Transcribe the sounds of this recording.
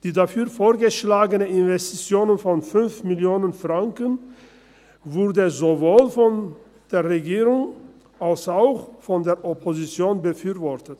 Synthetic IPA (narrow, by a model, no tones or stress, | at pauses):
d̥iːdafyːɐfoːɐɡəʃlaːɡənəɪnvɛstit͡sjoːnənfɔnfʏnfmɪljoːnənfʁ̥aŋkən | vʊʁdəzovoːlfɔn | d̥eːɐʁeɡiːʁʊŋ | ʔalsaʊxfɔndeːɐʔɔpʰozit͡sjoːnbəfyːɐvɔɐtət